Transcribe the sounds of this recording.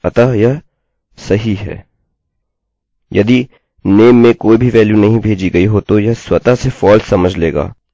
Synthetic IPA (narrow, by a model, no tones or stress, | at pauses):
ɐt̪ajɐ | sɐɦiɦɛ̰ː | jɐ̰d̪i | neːmːẽkoːibʱiʋɛːljunɐɦĩbʱeːd͡ʒiɡɐiɦoːt̪ojɐswɐt̪asefɔːlssɐməd͡ʒʱleːɡa̰ː